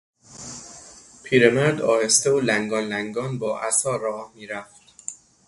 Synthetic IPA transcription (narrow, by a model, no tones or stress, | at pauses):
pʰiːɾemæɾd̪ɒːhest̪eolæŋɡɒːnlæŋɡɒːnbɒːʔæsɒːɾɒːmiːɾæft̪